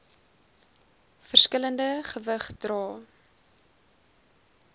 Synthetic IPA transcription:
fərskələndəχəvəχd̥rɑː

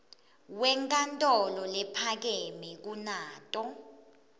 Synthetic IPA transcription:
wɛŋkʼantʼɔlɔlɛpʰak̬emɛk̬unaːtʼɔ

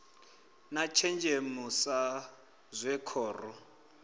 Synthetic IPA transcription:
nat͡ʃʰɛnd͡ʒʱemusa | zwɛkʰɔːrɔ

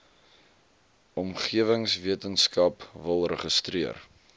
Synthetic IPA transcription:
ʔɔmχiəvəŋsviətənskɐpvəlˠrəχəstriər

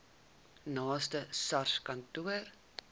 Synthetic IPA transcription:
nɑːstəsɐrskɐntuər

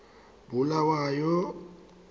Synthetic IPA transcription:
bulawajɔ

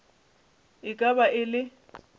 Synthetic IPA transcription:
ɪkʼabaʔɪlɪ

